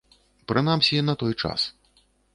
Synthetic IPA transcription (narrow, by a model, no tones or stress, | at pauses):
pɾɨnamsʲinɐt̪ɔjt͡ʂa̰s